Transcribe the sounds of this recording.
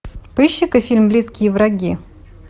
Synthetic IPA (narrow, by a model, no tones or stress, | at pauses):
pɨɕːɪkɨfʲilʲmblʲiskʲɪjəvɾɐɡʲi